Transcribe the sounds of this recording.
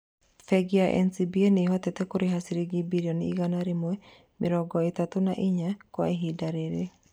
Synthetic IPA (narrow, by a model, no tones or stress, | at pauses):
fɛɡiaʔɛ̰nsibieneɦɔtɛtɛkoɾeɦasiɾeɡibiɾiɔniiɣanaɾemoɛ | meɾɔɡɔetatonaʔiɲakwa̰eɦidaɾeɾe